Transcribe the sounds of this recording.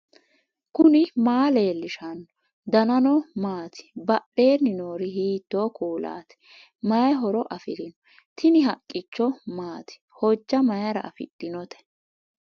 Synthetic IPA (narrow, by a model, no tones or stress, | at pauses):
kʊnɪmaːle̞ːlːɪʃɐnɔ | d̪ɐnɐnɔmaːt̪ʰɪ̥bɐʔeːnɪnoːɾɪhiːt̪ːoːkuːla̰ːt̪ɪ̥ | mɐjɦɔɾɔʔɐfɪɾɪnɔ | t̪ʰɪnɪɦɐkʼːɪt͡ʃːɔmaːt̪ɪ̥hɔd͡ʒːɐmɐjɐɾɐɐfɪ̰ɗːɪnɔt̪ɛ̥